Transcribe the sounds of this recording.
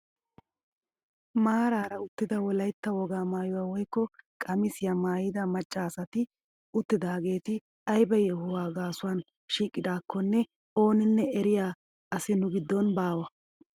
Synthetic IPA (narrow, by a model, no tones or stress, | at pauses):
maːɾaːɾɐʊt̪ːɪd̪ɐwɔlɐjt̪ːɐwɔɡaːmaːjʊwaːwɔjkːɔkʼɐmɪsɪjamaːjɪd̪ɐmɐt͡ʃʼːaːsɐt̪ɪ | ʊt̪ːɪd̪aːɡe̞ːt̪ɪ | ɐjbɐjɛhʊwaːɡaːsʊwaːn | ʃiːkʼːɪd̪aːkːɔnːɛ | o̞ːnɪnːɛɛɾɪjaː | ɐsɪnʊɡɪd̪ːɔnbaːwɐ